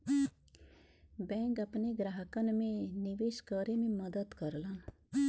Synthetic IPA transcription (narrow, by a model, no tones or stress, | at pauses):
bɛ̃ːŋkɐpneɡɾaɦəkənmẽnɪʋeːʃkəɾemẽməd̪əd̪kəɾlan